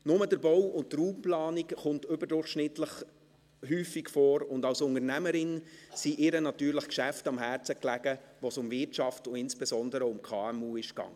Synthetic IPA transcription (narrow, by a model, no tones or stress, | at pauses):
nʊmədəɾbɔwʊnttːruːmplɑːnikχʊntʏbəɾdʊrχʃnɪtləχ | ɦyːfikfɔːɾʊndɑwsʊŋəɾnæməɾɪnsiʔɪɾənɑtyːɾləχkʃæftɑmɦæːɾt͡səklæɡəʋosʊmvɪɾtt͡ʃɑftʊɪnsb̥ezɔndəɾəʊmkʰɑːɛmuːɪʃkɑ̰ŋːə